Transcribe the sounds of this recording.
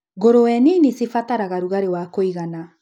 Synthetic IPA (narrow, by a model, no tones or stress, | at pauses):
ɣoɾowɛninisifataɾaɣaɾuɣaɾewakoiɣana